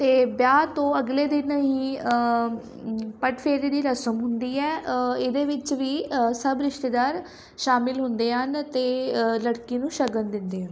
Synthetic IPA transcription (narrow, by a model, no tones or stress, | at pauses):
t̪eːbjaːt̪õːəɡleːd̪ɪnəɦĩːə | pəʈfʰeːɾiːd̪iːɾəsəmɦʊnd̪iːɛːɪd̪eːʋɪt͡ʃʋiːsəbɾɪʃʈ̪eːd̪aːɾ | ʃaːmɪlɦʊnd̪eːɦənt̪eːləɽkiːnũːʃəɡənd̪ɪnd̪eːɦə̃n